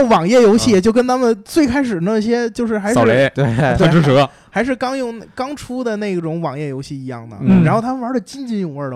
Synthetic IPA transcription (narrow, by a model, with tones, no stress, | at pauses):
wɑ˨˩ŋjɛ˥˩jo˧˥ʊɕi˥˩jɛ˨˩t͡ɕjo˥˩ʊkə˥nt̪ʰa˥mə˨nt͡swe˥˩ɪkʰa˥ɪʂ̬ɻ̩˨˩na˥˩ɕ̬jɛ˥t͡ɕjo˥˧ʊʂ̬ɻ̩˥˩xa˧˥ɪʂle˧˥ɪt̪we˥˩ɪ˧˥˧ʈ͡ʂʰu˥ʈ͡ʂɤ˧˥ | xa˧˥ɪʂɻ̩˥˧kɑ˥ŋjʊ˥˧ŋkɑ˥ŋʈ͡ʂʰu˥d̪ə˨ne˥˩ɪ˧˩ʈ͡ʂʊ˧˥ŋwɑ˨˩ŋjɛ˥˩jo˧˥ʊɕi˥˩i˧˥jɑ̰˥˩ŋnə̰˩˥a˧n˥xo˥˩ʊt̪ʰa˥m˨˧wə˞˧˥də˧˨t͡ɕi˥nt͡ɕi˥˧njʊ˥˩ŋə˞˥˧˩ə